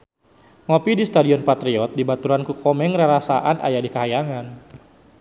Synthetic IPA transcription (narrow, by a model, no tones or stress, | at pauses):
ŋɔpidist̪adiɔnpat̪ɾiɔt̪̚dibat̪uɾankukɔmɛŋraɾasaʔanʔa̰jadikaɦajaŋan